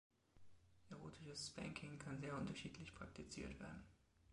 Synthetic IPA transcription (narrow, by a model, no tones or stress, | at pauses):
ʔɛʁoːtʰɪʃəsb̥ɛ̰ŋkʰɪŋkʰanzeːɐʔʊntɐʃiːtʰlɪçpʁ̥ak̚tʰit͡siːɐtv̥ḛːɐdn̩